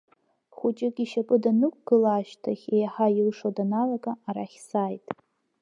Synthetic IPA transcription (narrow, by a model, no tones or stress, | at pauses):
χʷʊt͡ʃʼɪkʲʼiʃapʼɨdanɨkʷʼɡ̥ɨlaːʃtʰaχʲejaħajɪlʂodanalaɡʼaːɾa̰χʲsaːjtʼ